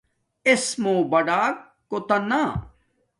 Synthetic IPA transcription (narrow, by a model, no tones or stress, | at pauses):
esmoːbɐɖaːkːot̪ɐna